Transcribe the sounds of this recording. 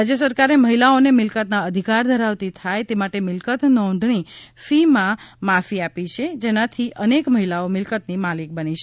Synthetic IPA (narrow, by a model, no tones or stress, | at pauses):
ɾad͡ʒjəsəɾkaɾeməɦilaonemɪlkət̪naəd̪ʱikaɾd̪ʱəɾaʋt̪it̪ʰajt̪emaʈemɪlkət̪nɔɖʱɳ̃ifimãmafiapit͡ʃʰed͡ʒenãt̪ʰiʔənekməɦilaomɪlkət̪nimalik̚bənit͡ʃʰe